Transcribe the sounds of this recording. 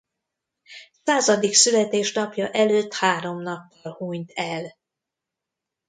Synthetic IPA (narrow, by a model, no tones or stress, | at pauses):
saːzɒd̪iksylɛt̪eːʃnɒpjɒʔɛløːt̪haːɾo̞mnɒpːɒlhuːɲt̪ʰɛl